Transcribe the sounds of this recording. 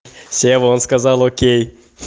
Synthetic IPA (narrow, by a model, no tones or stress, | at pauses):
sevõnskazalˠokʲej